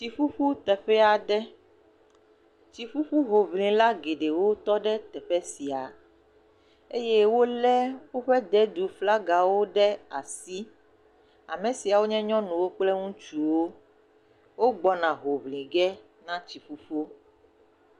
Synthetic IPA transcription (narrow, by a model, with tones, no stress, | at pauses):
t͡ɕi˨ɸu˦ɸu˦t̪ɛ˨ɸɛ˦a˨ɖɛ˦ | t͡ɕi˨ɸu˦ɸu˦ɦo˨vlĩ˨la˦ɡe˨ɖe˨wo˦t̪ɔ˦ɖɛ˦t̪ɛ˨ɸɛ˦si˨a˨ | e˦je˦wo˦lɛ˦wo˦ɸɛ˦d̪ɛ˦d̪u˨fla˦ɡa˨wo˦ɖɛ˦a˨si˦ | a̰˨me˨si˨a˨wo˦ɲɛ̃˦ɲɔ̃˦nũ˨wo˦k͡plɛ˦ŋũ˦t͡ʃu˨wo˦ | wo˦ɡ͡bɔ˦nã˨ɦo˨vlĩ˨ɡɛ˦ | nã˦t͡ɕi˨fu˦ɸu˦